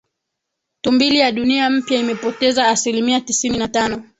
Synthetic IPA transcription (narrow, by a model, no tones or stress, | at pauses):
tumbilijaɗuniam̩pjaimɛpɔtɛzaːsilimiatisininatanɔ